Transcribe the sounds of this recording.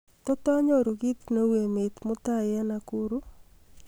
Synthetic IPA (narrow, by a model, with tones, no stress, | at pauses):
t̪ɔ˦t̪ɔ˦a˦ɲɔ˦ɾu˨ɡi˦t̪no˦we˨mɪ˨t̪mʊ˦t̪a˦jɛ˦na˨ku˦ɾu˦